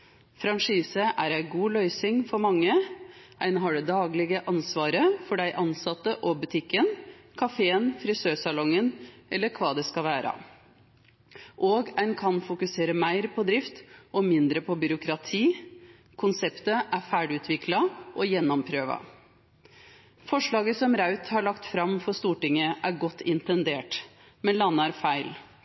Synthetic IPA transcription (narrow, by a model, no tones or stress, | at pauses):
fɾɑŋʂiːsəʔæɾæɪɡuːlœʏsɪŋfɔɾmɑŋːəæɪnɦɑɖɛd̪ɑːɡlɪɡəʔɑnsʋɑːɾəfɔɖæɪʔɑnsɑt̪ːəʔɔbʉt̪ʰɪkːənkʰɑfeːənfɾɪsøːsɑlɔŋːənɛlːəɾkʰʋɑːd̪ɛskɑlʋæːɾɑ̰ | ʔoːɡæɪnkʰɑnfʊkʉseːɾəmæɪɾpʰɔd̪ɾɪft̪ʔɔmɪnd̪ɾəpʰɔbʏɾʊkɾɑt̪ʰiː | kʰʊnsɛpt̪əʔæɾfæɪɖʉːt̪ʰʋɪklɑʔɔjɛnːɔmpʰɾøːʋɑ̰ | fɔʂɭɑːɡəsɔmɾɑʉt̪hɑɭɑkt̪fɾɑmfɔɾst̪uːʈɪŋːəʔæɾɡɔt̪ːɪnt̪ɛnd̪eːʈ | mɛnlɑnːəɾfæɪl